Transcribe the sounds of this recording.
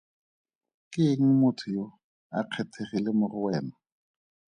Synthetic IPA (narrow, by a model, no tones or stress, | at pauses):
kɪŋ̩mʊtʰʊjo | a̰q͡χʰɛtʰerilemʊrʊwɛːma